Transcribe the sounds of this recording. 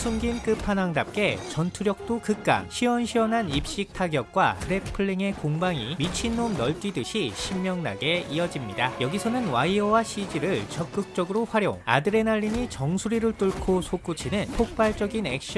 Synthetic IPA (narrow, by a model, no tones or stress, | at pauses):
sʰumɡink͈ɯpʰanaŋdap̚k͈e̞t͡ɕʌntʰuɾjʌk̚t͈okɯk̚k͈a̰ŋɕʰiwʌnɕʰiʌnɦanip̚ɕ͈ik̚tʰaɡjʌk̚k͈wakɯɾepʰɯɭːiŋe̞koŋbaŋimit͡ɕʰinːomnʌɭt͈ɥidɯɕʰiɕʰimːjʌŋna̰ɡe̞iʌd͡ʑimɲidajʌɡisʰʌnɯnwaiʌwaɕʰid͡ʑiɾɯɭt͡ɕʌk̚k͈ɯk̚t͡ɕ͈ʌɡɯɾoɸwaɾjoŋa̰dɯɾe̞naʎːiɲit͡ɕʌŋsʰuɾiɾɯɭt͈uɭkʰosʰok͈ut͡ɕʰinɯntʰok̚p͈aɭt͡ɕ͈ʌɡinḛk̚ɕ͈i